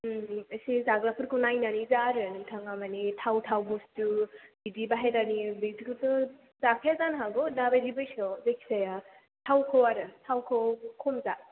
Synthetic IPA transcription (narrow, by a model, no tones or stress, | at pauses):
ɐsizaɡɾapʰɯɾkʰunajnanizaɾɯnɯŋtʰaŋamanitʰawtʰawbustubidibaɦedanibidikɯtɯ | zakʰezanɦaɡɔnabajɾibɯjsɔzekʰi̥saja | tʰawkʰɯwaɾɯtʰawkʰɯwkʰomza